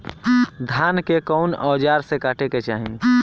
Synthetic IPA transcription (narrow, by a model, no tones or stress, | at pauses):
d̪ʱaːnkekɔʊnɔːd͡ʒaɾsekaːʈeket͡ʃaːɦi